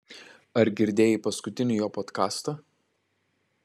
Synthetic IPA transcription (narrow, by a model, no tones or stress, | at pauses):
ɐɾɡʲɪɾʲd̪ʲeːjɪpɐskʊt̪ʲɪnʲɪjoːpoːt̪kɑːst̪ɐ